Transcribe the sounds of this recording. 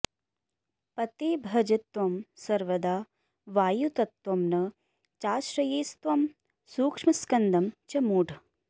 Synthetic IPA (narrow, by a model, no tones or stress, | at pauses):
pɐt̪eːbʱɐd͡ʒɐt̪ʋɐmsɐɾʋɐd̪aː | ʋaːjut̪ɐt̪wɐmnɐ | t͡ʃaːʃɾɐjeːst̪ʋɐm | suːkʂmɐskɐnd̪ɐmt͡ʃɐmuːɖʱ